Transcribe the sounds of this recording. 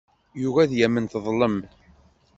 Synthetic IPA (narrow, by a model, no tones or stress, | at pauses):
juvæðjæmːənθðˤləm